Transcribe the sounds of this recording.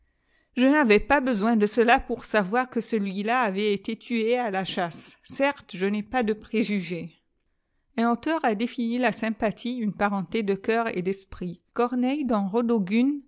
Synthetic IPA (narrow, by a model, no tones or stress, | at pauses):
ʒənavɛpabəzwɛ̃d̪əsəlapuʁsavwaʁkəsəlɥilaːvɛet̪et̪ʰyealaʃasːɛʁt̪ʒənɛpad̪əpχeʒyʒe | ɛ̃not̪œʁad̪efinilasɛ̃pat̪ʰiynpaʁɑ̃t̪ed̪əkœʁḛd̪ɛspχikɔʁnɛjd̪ɑ̃ʁod̪oɡyn